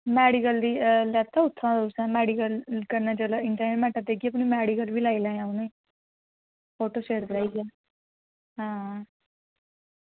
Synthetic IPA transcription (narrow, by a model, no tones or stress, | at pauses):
mɛːɽikəld̪iːlɛːt̪ʰːaːʊt̪ʰːãːd̪ʊsɛ̃ːmɛːɽikəlkəɾnaːt͡ʃəːlaɪɳʈəɾneːʈmɛːʈãt̪eːkiəp̬niːmɛːɽikəlbiːlaːiːlãːãːuneː | pʰoːʈoːʃeːɾd̪eɾaːiɡjãː | ɦãː